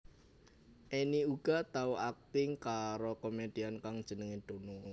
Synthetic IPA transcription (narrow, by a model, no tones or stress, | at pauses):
ʔeniuɡ̥a̤t̪auʔak̚t̪ɪŋkaɾokomed̪̥i̤ankaŋd̥ʒ̥ə̤nəŋed̪̥o̤nɔ